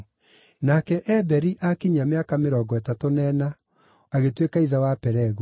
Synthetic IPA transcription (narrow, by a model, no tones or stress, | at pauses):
nakɛʔɛbɛɾiʔakiɲameakameɾɔɡɔɛtatonɛna | aɣetwekaiðawapɛɾɛɣu